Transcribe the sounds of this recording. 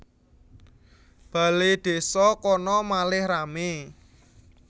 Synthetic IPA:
b̥ä̤led̪̥e̤sɔkɔnɔmalɪhrame

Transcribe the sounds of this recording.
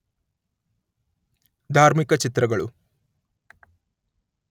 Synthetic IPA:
d̪ʱaːɾmikɐt͡ʃit̪ɾɐɡɐɭu

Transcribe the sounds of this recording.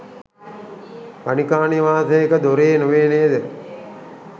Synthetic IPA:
panikaːniʋaːsɐjekəd̪oɾeːnuʋeːnejːd̪ə

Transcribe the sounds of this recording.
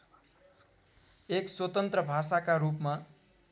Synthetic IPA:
ekswʌt̪ʌnt̪rʌbʱasakaɾupma

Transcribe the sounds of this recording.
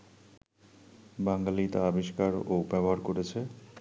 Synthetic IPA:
baŋɡalit̪aabiʃkaɾobɛboɦaɾkoɾet͡ɕʰe

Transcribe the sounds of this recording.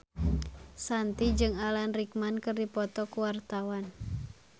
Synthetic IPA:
sant̪id͡ʒɨŋalanrik̚mankɨrdipɔt̪ɔkuwart̪awan

